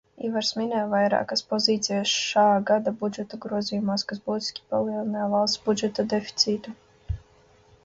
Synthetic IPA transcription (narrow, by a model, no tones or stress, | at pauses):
ḭːvaɾsmʲinɛjvajɾa̰ːkaspɔziːt̪sʲijasʃaːɡad̪abud͡ʒɛt̪ɔɡɾuɔziːjumaːskas̬buːt̪ʲi̥sʲkʲi̥palˠiːlˠɛnajavalˠst̪b̥ud͡ʒɛt̪ɔd̪efʲi̥t̪sʲiːt̪u